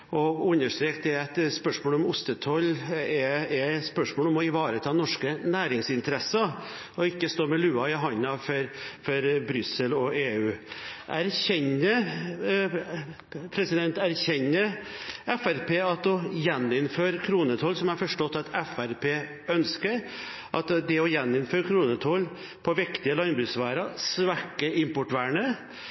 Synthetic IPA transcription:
ɔʉnːəʂʈ̪ɾeːkd̪ɛæɪt̪spœʂmoːlɔmʊst̪ət̪ʰɔlːɛɛspœʂmoːlɔmɔɪʋɑːɾət̪ʰɑːnɔʂkənæːɾɪŋsɪnt̪əɾɛsːə | ɔɪkːəst̪oːɾmɛlʉːɑɪɦɑnːɑfɔɾfɔɾbɾʏsəlɔʔeːʉːʔæɾçɛɲə | pʰɾɛsɪd̪ɛnt̪æɾçɛɲːəɛfæɾpʰeːɑt̪ɔjɛnːɪnføːɾkʰɾuːnət̪ʰɔːlsɔmæɾfɔʂʈɔt̪ːɑt̪ɛfæɾpʰeː | œnskəɾ | ʔɑt̪d̪ɛɔjɛnːɪnføːɾkʰɾuːnət̪ʰɔl | pʰɔʋɪkt̪ɪəlɑnbɾʉːsʋæːɾɑsʋæʈəɪmpʊʈʋæːɳə

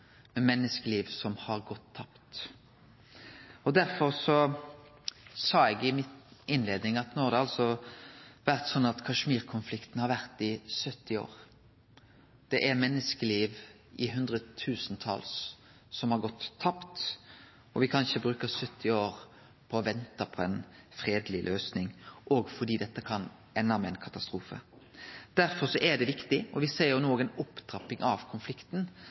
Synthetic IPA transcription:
mɛmɛnːəskəliːʋsɔmhɑʁɡɔt̪ʰːɑpt̪ | ɔd̪æɾfɔɾsɔ | sɑːɛɡɪmɪɪnleːd̪nɪŋɑt̪noːhɑɾd̪ɛɑlsɔ | ʋæʁt̪sɔnːɑt̪kʰɑʂmiːɾkʰʊnflɪkt̪nhɑɾʋæʁt̪ɪsœt̪ːɪo̰ːʁ | d̪̥ɛʔɛɾmɛnːəskəliːʋ | ɪɦʉnd̪ʁət̪ʰʉːsənt̪ʰɑ̰lsː | ɔmhɑɾɡɔt̪ʰːɑpt̪ | ɔʋɪkʰɑnʃəbɾʉːkəsœt̪ʰːɪoːʁ | pʰɔːʋɛnt̪ɑpʰɔɛnfʁeːd̪lɪlʔøːsnɪŋʔɔɡfɔɾd̪iːd̪ɛt̪ːəkʰɑn | ɛnːɑmɛɛnkʰɑt̪ɑst̪ɾuːfə̰ | d̪̥æɾfɔsɔʔɛd̪ɛʋɪkt̪ɪɔʋɪseːjʊnoːɡənʊpːd̪̥ɾɑpːɪŋʔɑʋkʰʊnflɪkt̪n

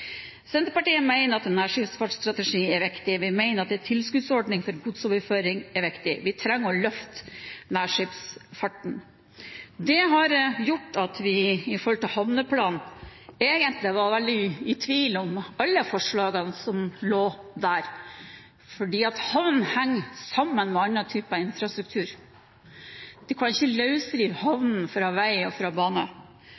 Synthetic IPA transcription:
sɛnt̪ɾəpɑʈiːənmæɪnəɾɑt̪nːæːʂɪpsfɑʈst̪ɾɑt̪ɛʂiːɛɾʋɪkt̪ɪʋɪmæɪnəɾɑt̪̚d̪ɛt̪ʰɪlskʉd̪sɔɖɳɪŋfɔɾɡʰud̪soːʋəɾføːɾɪŋɛɾʋɪkt̪ɪʋɪt̪ʰɾɛŋːəɾɔlœft̪næːʂɪpsfɑʈːɳ̩ | d̪ɛɦɑɾjʊʈːɑt̪ʋɪɪfɔɾhɔlt̪ɪlhɑʋnəpʰlɑːneːɡənt̪lɪʋɑɾʋɛld̪ɪɪt̪ʰʋiːlɔmɑlːəfɔʂɭɑːɡɑnsɔmloːd̪æːɾ | fɔɖiːɑt̪hɑʋnn̩hæŋːsɑmːənmɛɑnɾɑt̪ʰyːpɑɪnfɾɑst̪ɾʉk̚t̪ʰʉːɾ | d̪̥ɛkʰɑnɪçːəlɑʉsd̪ɾiːʋhɑʋnn̩fɾɑːʋæɪɔfɾɑbɑːnə

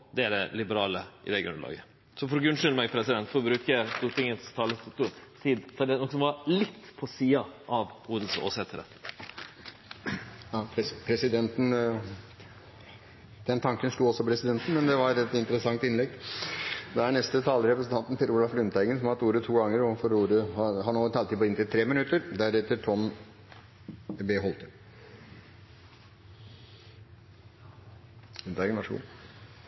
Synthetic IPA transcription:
d̪ɛæɖ̪ɛlɪbəɾɑːləʔɪ̰d̪ɛɡɾʉ̰nːəlɑ̰ːɡə | sɔfɔɾɔɡʉnʂʏlmɛɡpʰɾɛsɪd̪ɛnt̪fɔɾbɾʉːkəəst̪uːʈʰɪŋːənst̪ʰɑːlət̪ut̪ʰiːd̪fɔd̪ɛnɔkːəsɔmʋɑɾlɪt̪ːpʰɔsiːɑʔɑʋuːd̪l̩so̰ːsɛt̪ʰːəɾə̰ | jɑpʰɾɛsɪd̪ɛnt̪n | d̪̥ɛnt̪ʰɑŋkənʂʈ̪uːɔsɔpʰɾɛsɪd̪ɛnt̪n̩mɛnd̪ɛʋɑɾɛt̪ɪnt̪əɾəsɑŋt̪ɪnlɛɡ | d̪ɛæɳɛst̪ət̪ʰɑːləɾɛpɾəsn̩t̪ʰɑnt̪n̩fɪɾuːlɑflʉnt̪ʰæɪɡənsɔmhɑt̪uːɾət̪ʰuːɡɑŋːəɾɔfɔɾuːɾəhɑɦɑɳoːt̪ʰɑlt̪ʰɪːpɔɪnt̪ɪlt̪ʰɾeːmɪnʉt̪ːəɾd̪æɾɛt̪ːəʈʰɔm | beːɦɔlt̪ʰə | ʉnt̪æːɡənʋɑʂɡṵː

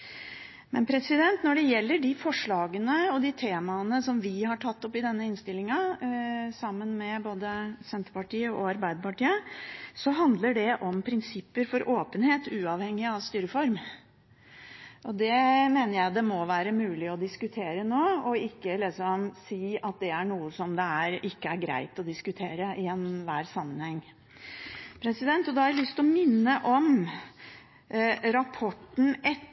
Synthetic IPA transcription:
mɛ̰npʰɾɛsɪd̪ɛnt̪nɔɖɛjɛlːəɖɪfɔʂɭɑːɡənəɔd̪it̪ʰeːmɑənəsɔmʋɪhɑʈʰɑt̪ːɔpːɪd̪ɛnːəɪnst̪ɪlːɪŋɑ | sɑmːənmɛboːd̪əsɛnt̪əpɑʈiːəɔɑɾbæɪd̪əpɑʈiːəsɔɦɑnd̪ləɖɛʔɔmpʰɾɪnsɪpːəɾfɔɾʔoːpənheːt̪ʉːɑʋhɛŋːɪɑʋst̪yːɾəfɔɾm | ʔɔd̪ɛmeːnəɾjæɪd̪ɛmɔʋæːɾəmʉːlɪɔd̪ɪskʉt̪ʰeːɾənoːɔɪkːəlɪsɔmsiːɑt̪̚d̪ɛæɳuːəsɔmd̪ɛæɾɪkːəæɾɡɾæ̰ɪt̪ɔd̪ɪskʉt̪ʰeːɾəɪɛnːʋæːɾsɑmːənhɛŋː | pʰɾɛsɪd̪ɛnt̪ɔd̪ɑhɑɾɪlʏst̪ɔmɪnːəʔɔm | ɾɑpʰɔʈːn̩ʔɛt̪

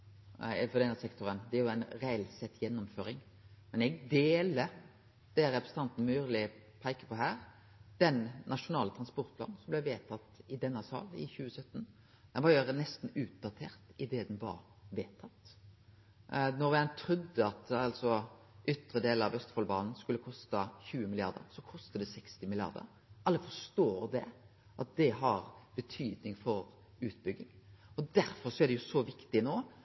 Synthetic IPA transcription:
fɔd̪ɛnːəsɛkt̪ʊɾənd̪ɛæɾjʊæɪnɾæɛlsɛt̪ːjɛnːɔmføːɾɪŋ | mɛnɛɡd̪eːlə | d̪̥ɛɾɛpɾəsə̥ɑnt̪n̩myːʁlɪpʰæɪkə̥pɔɦæːʁ | d̪̥ɛnnːʔɑʂʊnɑːlət̪ʰʁɑnspɔɾt̪̚pʰlɑ̰ːnsɔmblɛʋeːt̪ʰɑt̪ːɪd̪ɛnːəsɑ̰ːlɪ̰çʉːəsœt̪ːn | d̪̥ɛnʋɑjøɾənɛst̪n̩ʉːt̪̚d̪ɑt̪ʰeːʁt̪ɪd̪ɛd̪ɛnʋɑ̰ɾ | ʋeːt̪ʰɑt̪ː | nɔɾɛnt̪ʰɾʉd̪ːəɑt̪ɑlt̪sɔ | ʔʏt̪ːɾəd̪eːlɑʋœst̪fɔlbɑ̰ːnn̩skʉlːəkʰɔst̪ɑçʉːəmɪlɪɑ̰ɾd̪ə̰ɾsɔkʰɔst̪əd̪ɛsɛkst̪ɪmɪlɪɑ̰ɾd̪ə̰ɾ | ʔɑlːəfɔʂt̪oːɾd̪ɛ | ʔɑt̪̚d̪ɛɦɑɾb̥ət̪ʰyːd̪nɪŋfɔɾ | ʉːt̪̚bʏɡɪŋɔd̪æɾfɔɾsɔæɾɖ̪ɛjʊsɔʋɪkt̪ɪnoː

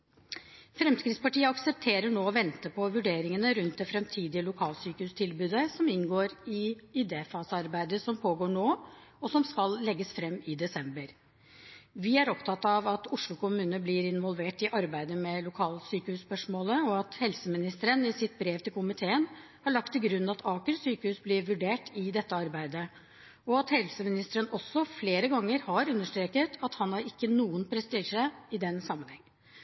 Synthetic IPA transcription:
fɾɛmskɾɪt̪spɑʈiːəɑksəp̚t̪ʰeːɾəɳoːɔʋɛnt̪əpʰɔʋʉɖeːɾɪŋənəɾʉnt̪̚d̪ɛfɾɛmt̪ʰiːd̪ɪəlʊkʰɑːlsyːkəhʉːst̪ʰɪlbʉːd̪əsɔmɪnɡoːɾɪɪd̪eːfɑːsɑɾbæɪd̪əsɔmpʰoːɡoːɳoːɔsɔmskɑllɛɡːəsfɾɛmːɪd̪ɛsɛmbəɾ | ʋɪæɾɔpt̪ʰɑt̪ːɑʋɑt̪ʊʂɭʊkʊmʉːnəblɪɾɪnʋɔlʋeːʈɪʔɑɾbæɪd̪əmɛlʊkʰɑːlsyːkəhʉspœʂmoːləɔɑt̪hɛlsəmɪnɪst̪əɾənɪsɪt̪̚bɾeːʋt̪ɪlkʰʊmɪt̪ʰeːən | hɑɭɑk̚t̪ʰːɪlɡɾʉnːɑt̪ʰɑːkəɾsyːkəhʉːsblɪɾʋʉɖeːʈɪd̪ɛt̪ːəɑɾbæɪd̪ə | ɔɑt̪hɛlsəmɪnɪst̪əɾənɔsːɔfleːɾəɡɑŋːəɾhɑɾʉnːəʂʈ̪ɾeːkət̪ʰɑt̪hɑnhɑɾɪkːənuːənpʰɾɛst̪iːʂəɪd̪ɛnːsɑmːənhɛŋː

